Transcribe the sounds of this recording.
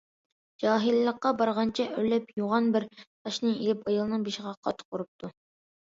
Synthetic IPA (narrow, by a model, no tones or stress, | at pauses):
d͡ʒɑːɦillːəqːɑbɑɾʁɑnt͡ʃʰɛʔøɾlɛpjuʁɑnbɪɾt̪ʰɑʃnɨelɪpɑjɑlˠɨnɨŋbeʃɪʁɑqʰɑt̪ʰːɨ̥q̚oɾup̚t̪ʰu